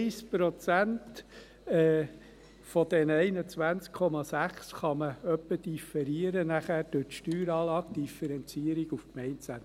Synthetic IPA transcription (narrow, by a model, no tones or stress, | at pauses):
ɪspɾot͡sænt | ɛː | fɔd̥ɛnəɛɪnət͡sʋænt͡skʰɔmɑsæχsχɑməœpːəd̥ifɛɾiəɾənæχæːɾd̥øtʃtyːɾɑːlɑːkd̥ifɛɾɛnt͡siəɾiɡufkmɛɪntsæn